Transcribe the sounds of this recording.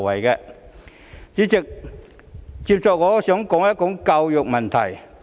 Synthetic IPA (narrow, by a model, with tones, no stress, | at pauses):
wɐ˨˩jkɛː˧ | t͡siː˨˥t͡sɪ˨k̚ | t͡siː˧p̚t͡sɔː˨k̚ŋɔː˨˥sœː˨˥ŋkɔː˨˥ŋjɐ˥t͡ʃʊ˨˥ŋkɐ˧wjʊ˨k̚mɐ˨nt̪ʰɐ̰˨˩j